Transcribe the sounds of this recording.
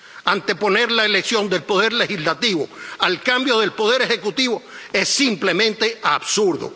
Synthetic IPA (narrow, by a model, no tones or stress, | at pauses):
ant̪e̞po̞ne̞ɾlaele̞ksjo̞nd̪e̞lpo̞ð̞e̞ɾle̞xizlat̪iβo̞̰alkambjo̞ðe̞lpo̞ð̞e̞ɾe̞xe̞kut̪iβo̞e̞sːimple̞mẽ̞nt̪e̞aβsuɾðo̰